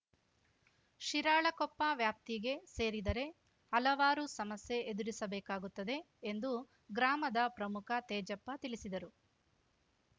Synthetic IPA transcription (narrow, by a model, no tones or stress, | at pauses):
ʃiɾaːɭɐkɔpːɐʋjaːp̚t̪iɡe̞seːɾid̪ɐɾe̞ | ɐlɐʋaːɾusɐmɐsje̞ʔed̪uɾisɐbɛːkaːɡut̪ːɐd̪e̞ː | nd̪u | ɡɾaːmɐd̪ɐpɾɐmukʰɐt̪ɛːd͡ʒɐpːɐt̪ilisid̪ɐɾu